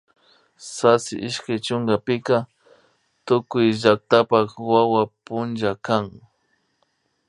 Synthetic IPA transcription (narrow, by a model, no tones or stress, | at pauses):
sasɪ̰ʔɪʃkajt͡ʃʊŋɡapɪka | t̪ʊkʊjʒak̚t̪apakwawapʊnʒakaŋ